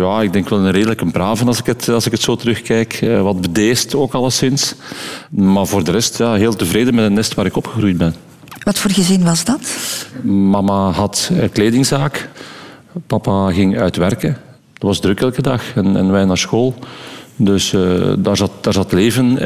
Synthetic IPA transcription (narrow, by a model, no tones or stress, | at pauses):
jaːɪɡ̚dɛŋkʋɛlˠənreːdələkəmpraːvənɑlˠzɪkətɑlˠzɪkətsoːtəɾɵxkɛjkəʋɑd̚bədeːstoːkɑlˠəsɪns | maːrvoːrdəɾɛstjaːɦeːlˠtəvɾeːdənmɛtətnɛstʋaːɾɪkɔpxəɣrujd̚bɛn | ʋɑtfoːrɣəzɪnʋɑzdɑt | mɑmaɦɑtːkleːdɪŋzaːk | pɑpaɣɪŋœɥtʋɛrkən | dɑtwʋɑzdɾɵkɛlˠkədɑxɛnɛ̰nʋɛjnaːrsxoːlˠdøsdaːrzɑtd̥aːrzɑtleːvən